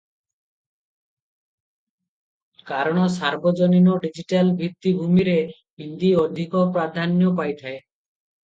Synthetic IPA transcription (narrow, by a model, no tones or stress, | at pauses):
kaɾɔɽ̃ɔsaɾbɔd͡ʒɔninɔɖid͡ʒiʈalbʱit̪ːibʱumiɾe | ɦind̪iɔd̪ʱikɔpɾad̪ʱanjɔpajt̪ʰae